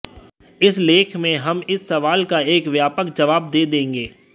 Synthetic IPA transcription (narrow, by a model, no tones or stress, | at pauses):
ɪsleːkʰmẽɦɐmɪsːɐʋaːlkaeːkʋjaːpəkd͡ʒɐʋaːb̚d̪eːd̪ẽːŋɡeː